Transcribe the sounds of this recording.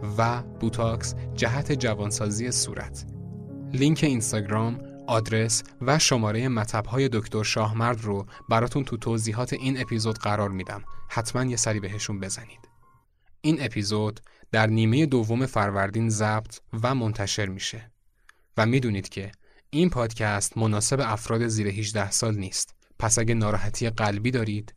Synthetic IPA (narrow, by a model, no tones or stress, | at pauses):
væb̥ut̪ʰɒksd͡ʒæɦæt̪ʰe̞d͡ʒævɒːnsɒːziːje̞sṵːɾʔæ̰t̪ʰ | liŋcʰe̞inst̪ɒɡɾɒːm | ɒːd̪ɾe̞s | væʃo̞mɒːɾe̞je̞mæt̪ʰlæb̥hɒːje̞d̪o̞cʰt̪ʰoɾʃɒːɦmæɾd̪robæɾɒːt̪ʰunt̪ʰut̪ʰoziːɦɒːt̪ʰe̞ʔiːne̞pʰizo̞d̪ɢæɾɒːɾmiːd̪æ̰mhæt̪ʰmænje̞sæɾiːbe̞ɦe̞ʃunbe̞zæni̥ːd̪̥ | iːne̞pʰizod̪̥d̪æɾniːme̞je̞d̪ovːo̞me̞fæɾvæɾd̪iːnzæb̥t̪ʰvæmo̞nt̪ʰæʃe̞ɾmiːʃe̞ | væmiːd̪uːniːd̪̥cʰe̞ | inpʰɒːd̪cʰæst̪mo̞nɒːse̞beæfɾɒːd̪e̞ziːɾeɦid͡ʒd̪æhsɒːlniːst̪ | pʰæsæɟænɒːɾɒːɦæt̪ʰijeɢælbiːd̪ɒːɾiːd̪̥